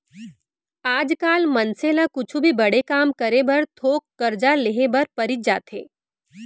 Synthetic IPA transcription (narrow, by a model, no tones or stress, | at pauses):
aːd͡ʒkaːlmɐnselakʊt͡ʃʰubʱibɐɽ̤ekaːmkɐɾebɐɾt̪ʰoːkːɐɾd͡ʒaleɦebɐɾpɐɾɪd͡ʒa̰ːt̪ɦḛː